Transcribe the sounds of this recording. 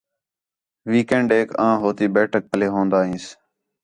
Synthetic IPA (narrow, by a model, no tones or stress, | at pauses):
ʋiːkẽːɳɖeːkãːɦoːt̪iːbeːʈʰək̚pəleːɦõːnd̪aːɦĩːs